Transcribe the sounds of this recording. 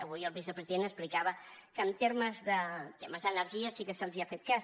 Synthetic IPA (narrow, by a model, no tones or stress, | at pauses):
əβujəlˠβizəpɾəziðenəsplikaβəkəːmt̪eɾməzðət̪eməzðənəɾʒiəsikəsəlˠziafet̪̚kas